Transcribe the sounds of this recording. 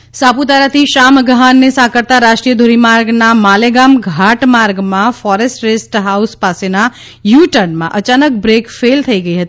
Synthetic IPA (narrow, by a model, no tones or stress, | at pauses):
saːput̪aːɾət̪ʰiʃaːmɡəɦaːnːesãːkəɾt̪aɾaːʃʈɾijəd̪ʱoːɾimaːɾɡnamaːleɡaːmɡʱaːʈmaːɾɡmãfɔːɾesʈɾesʈɦaːʊspaːsena | juːʈənmã̰ʔɐt͡ʃaːnək̚bɾeːkfeːlt̪ʰɐiɡəiɦɐt̪i